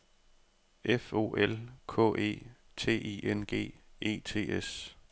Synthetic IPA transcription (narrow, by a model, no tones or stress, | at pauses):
ʔefo̝̰ːʔelkʰɔ̰̽ːʔe̝̰ː | t͡sʰe̝̰ːʔiʔenɡ̥e̝̰ːe̝̰ːt͡sʰe̝̰ːes